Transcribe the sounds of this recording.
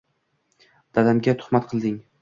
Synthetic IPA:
d̪̥alamɡʲat̪ʰʊ̥χmat̪̚qʰɨlˠd̪ɪŋ

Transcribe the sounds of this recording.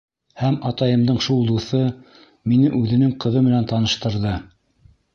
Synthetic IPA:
hæmɑt̪ɑjɤ̆md̪ɤɴʃulˠd̪uθɤ | minɘʔʉðɘ̆nɘŋqɤ̆ðɤmɘ̆nænt̪ɑnɤ̆ʃt̪ɤ̆ɾðɤ

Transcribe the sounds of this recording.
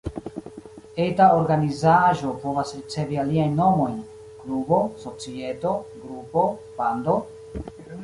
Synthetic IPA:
e̞taoɾɡanizaʒo̞po̞vasɾit͡se̞vialiajnːo̞mo̞jn | klubo̞so̞t͡sie̞to̞ɡɾupo̞ | pando̞

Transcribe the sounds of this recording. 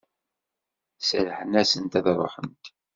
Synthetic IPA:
səlħənæsənt̪æðɾˤo̰ħənt̪

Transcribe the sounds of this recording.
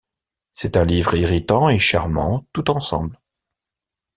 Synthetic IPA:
sɛt̪ɛ̃livʁiʁit̪ɑ̃eʃaʁmɑ̰̃t̪ut̪ɑ̃sɑ̰̃bl

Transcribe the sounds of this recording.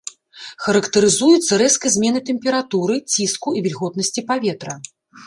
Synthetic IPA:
xɐɾɐkt̪ɐɾɨzujut̪sːɐɾɛskɐzʲmʲɛnɨt̪ɛmʲpʲɛɾat̪uɾɨt͡sʲiskuivʲilʲɣɔt̪nɐsʲt͡sʲipavʲɛt̪ɾɐ

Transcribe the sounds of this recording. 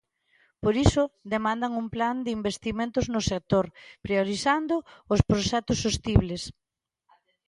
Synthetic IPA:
poɾisʊd̪emãnd̪aŋuŋpland̪ɪimbest̪imẽnt̪ʊznʊsek̚t̪oɾpɾioɾiθand̪ʊʊspɾoʃɛt̪ʊsost̪iβles

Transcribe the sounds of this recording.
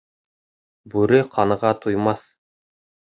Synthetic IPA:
bʉɾɘqʰɑnɤ̆ʁɑt̪ujmɑθ

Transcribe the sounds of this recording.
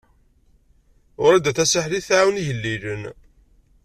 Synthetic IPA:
ʊɾæd̪æθæsaħliθʕawniʝəlːilən

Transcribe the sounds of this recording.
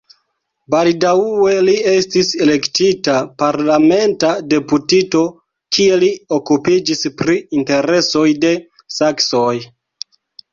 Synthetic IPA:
baldaue̞lie̞stise̞le̞ktitapaɾlame̞ntade̞putito̞ | kʰie̞liokupid͡ʒispɾiinte̞ɾe̞so̞jde̞ | saksoj

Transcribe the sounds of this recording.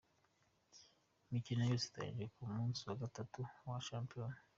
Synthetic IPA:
mikinajusi̥t̪a̰ḭd͡ʒikumunsuakatatuwaʃampiɔni

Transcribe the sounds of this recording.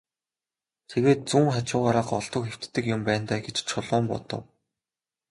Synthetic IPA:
t̪ʰeɣeːt̪̚t͡suːŋχat͡ɕʊːʁaːɾaːqɔɮt̪ɞ̆kxew̥t̪ːɘ̆kjʊmpæːn̥t̪aːɡet͡ɕt͡ɕʰʊɮʊːmpɔ̰t̪ɞ̆w

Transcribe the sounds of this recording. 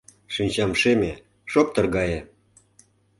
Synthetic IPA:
ʃinʲt͡ɕɑmʃemʲe | ʃop̚t̪ɤ̆rɣɑje

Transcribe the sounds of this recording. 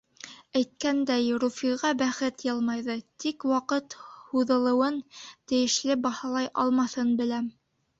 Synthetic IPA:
æjt̪̚kænd̪æjɾufiʁɑbæχɘt̪jɤlˠmɑjðɤt̪ikwɑqɤt̪huðɤ̆lˠɤ̆wɤnt̪ɘ̆jɘ̆ʃlɘbɑhɑlˠɑjʔɑlˠmɑθɤnbɘ̆læm

